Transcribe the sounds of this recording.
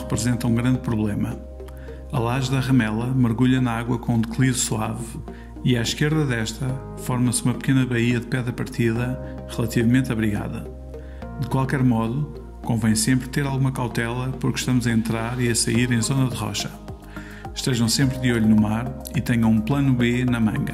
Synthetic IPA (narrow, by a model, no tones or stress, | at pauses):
ʁɨpɾɨzẽnt̪ɐũɡɾɐ̃nd̪̚pɾuβlˠemɐ | ɐlˠaʒðɐʁɐmɛlˠɐmɨɾɣuʎɐnɐaɣwɐkõũd̪ɨklˠiðusuav | iaʃkeɾðɐðɛʃt̪ɐ | fɔɾmɐsumɐpɨkenɐβɐiɐðpɛðɾɐpɐɾt̪iðɐ | ʁɨlˠɐt̪ivɐmẽnt̪ɐβɾiɣa̰ðɐ̰ | d̪ɨkwalˠkɛɾmɔðu | kõvɐ̃j̃sẽmpɾt̪eɾalˠɣumɐkawt̪ɛlˠɐpuɾkʃt̪ɐmuzɐẽnt̪ɾaɾiɐsɐiɾẽj̃zonɐðʁɔ̰ʃɐ̥ | ʃt̪eʒɐ̃w̃sẽmpɾðoʎunumaɾ | it̪ɛɲɐ̃w̃ũplˠɐnuβenɐmɐ̃ŋɡɐ